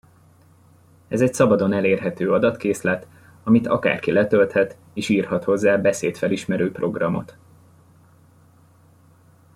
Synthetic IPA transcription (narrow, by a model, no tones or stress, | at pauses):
ɛzɛcsɒbɒd̪o̞nɛleːrɦɛt̪øːɒd̪ɒt̪keːslɛt̪ | ɒmit̪ʰɒka̰ːrkilɛt̪ølt̪hɛt̪ | eːʃiːrhɒt̪ho̞zːaːbɛseːt̪fɛliʃmɛɾøːpro̞ɡrɒmo̞̰t̪